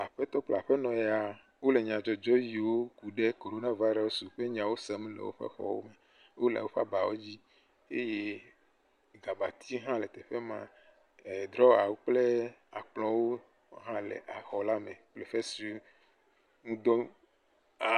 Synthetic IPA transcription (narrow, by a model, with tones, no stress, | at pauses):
a˨ɸe˦t̪ɔ˦k͡pl̰a̰˨ɸe˦nɔ̃˨je˨a˨ | wo˦le˨ɲ˨ã˨d͡ʒɔ˨d͡ʒɔ˦ji˨wo˦ku˨ɖe˦ko˨ɾo˦na˦va˦jɾɔ˦wo˦su˨ɸe˦ɲ˨ã˨wo˦se˨m˦lḛ˨wo̰˦ɸḛ˦xɔ̰˦wo̰˦me˨ | wʔo˦la̰˨wo˦ɸa̰˦ba˨wo˦d͡ʑi˦ | e˦je˦ | ɡa˨ba˨t̪ʰi˦ɦã˦le˨t̪e˨ɸe˦mã̰˦ | e˨d̪ɾɔ˦a˨wo˦k͡ple˦a˨k͡plɔ̃˦wo˦ | ɦã˦lḛ˨ʔa˨xɔ˨la˦mẽ˨k͡ple˨ɸe˦si˦ | ŋũ˦d̪ɔ˦ | a˨